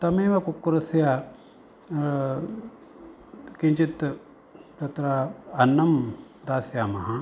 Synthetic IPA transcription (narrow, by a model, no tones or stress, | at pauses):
t̪ɐmeːʋɐkukːɾɐsja | kiɲt͡ʃit̪ | t̪ɐt̪ɾaːnːɐmd̪aːsjaːmɐɦa